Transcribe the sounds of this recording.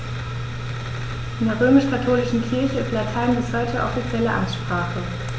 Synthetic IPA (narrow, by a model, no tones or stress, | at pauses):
ʔɪndɛɐʁøːmɪʃkʰatʰoːlɪʃn̩kʰɪɐçəflaɐtʰaɪnbɪshɔʏɪtʰəʔɔ̰fit͡sjɛləʔa̰nʃpʁ̥aːχə